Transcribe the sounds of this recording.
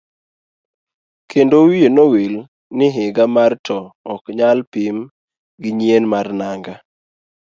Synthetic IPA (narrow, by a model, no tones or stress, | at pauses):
kʰendowienowil | nɪɦɪɡamartʰɔɔkɲalpim | ɡɪɲienmarnaŋɡa